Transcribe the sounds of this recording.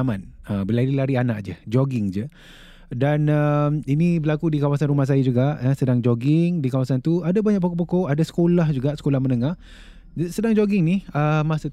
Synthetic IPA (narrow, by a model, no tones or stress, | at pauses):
amanəbəlaɾilaɾianaʔ̚d͡ʒəd͡ʒoɡɪŋd͡ʒə | danəminĩbəlakudikawasanrɾumahs̬ajad͡ʒuɡaʔəsədaŋd͡ʒoɡɪŋdikawasant̪uadabaɲak̚pokop̬okoʔadasə̥kolahd͡ʒuɡaʔsə̥kolahmənəŋah | sədaŋd͡ʒoɡɪŋniəmasə